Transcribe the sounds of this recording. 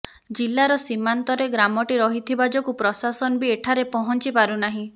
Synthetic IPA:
d͡ʒilːaɾɔsimant̪ɔɾeɡɾamɔʈiɾɔɦit̪ʰibad͡ʒɔkupɾɔsasɔnɔbieʈʰaɾepɔɦɔnt͡ʃipaɾunaɦĩ

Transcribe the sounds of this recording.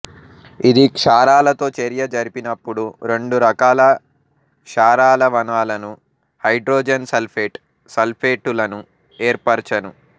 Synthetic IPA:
id̪ikʂaːɾaːlɐt̪o̞ːt͡ʃeɾjɐd͡ʒɐɾipinɐpːuɽuɾe̞ɳɖuɾɐkaːlɐ | kʂaːɾaːlɐʋɐnaːlɐnu | hɐjɖɾoːd͡ʒɐnsɐlpʰeːʈ | sɐlpʰeːʈulɐnu | eːɾpɐɾt͡ʃɐnu

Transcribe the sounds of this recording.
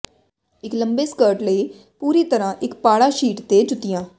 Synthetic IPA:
ɪkləmbeːskəːɾʈləiː | puːɾiːt̪əɾãːʔɪkpaːɽaːʃiːʈt̪eːt͡ʃʊt̪ːɪjãː

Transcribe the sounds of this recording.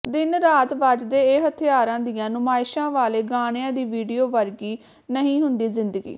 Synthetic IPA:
d̪ɪnɾaːt̪ʋad͡ʒd̪eːɦət̪ʰɪjaːɾãːd̪ijãːnʊmaːɪʃãːʋaːleːɡaːɽ̃ejãːd̪iːʋiːɖijoːʋəɾɡiː | nəɦĩːɦʊnd̪iːzɪnd̪əɡḭː

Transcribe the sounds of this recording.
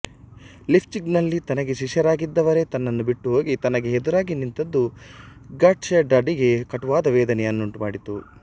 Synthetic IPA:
lipʰt͡ʃiɡnɐlːit̪ɐnɐɡe̞ʃiʂjɐɾaːɡid̪ːɐʋɐɾe̞t̪ɐnːɐnːubiʈːuɦo̞ːɡit̪ɐnɐɡe̞ɦed̪uɾaːɡinint̪ɐd̪ːu | ɡaːʈsɐɐɖaːɖiɡe̞kɐʈuʋaːd̪ɐʋɛːd̪ɐneɐnːuɳʈuma̰ːɽit̪u

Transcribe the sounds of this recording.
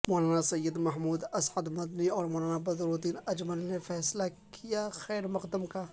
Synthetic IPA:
moːlaːnasɐjːəd̪mɐɦmuːd̪ɐsʕəd̪mɐd̪niɔːɾmoːlaːnabɐzɾoːd̪iːnɐd͡ʒməlnefɛːsla | kʰijaxɛːɾmɐqd̪əmka

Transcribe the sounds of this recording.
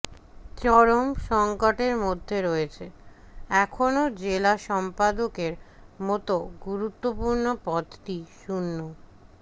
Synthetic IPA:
t͡ɕɔɾomʃɔŋkoʈeɾmod̪ʱːeɾoet͡ɕʰe | ɛkʰonod͡ʑelaʃɔmpad̪okeɾ | mɔt̪oɡuɾut̪ːopuɾnopɔd̪ʈiʃunːo

